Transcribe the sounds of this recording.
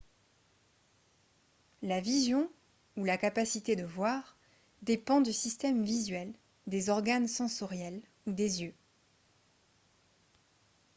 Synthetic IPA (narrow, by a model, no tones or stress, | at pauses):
lavizjɔ̃ | ulakapasit̪ed̪əvwaʁ | d̪epɑ̃d̪ysist̪ɛmvizɥɛl | d̪ezɔʁɡansɑ̃sɔʁjɛl | ud̪ezjø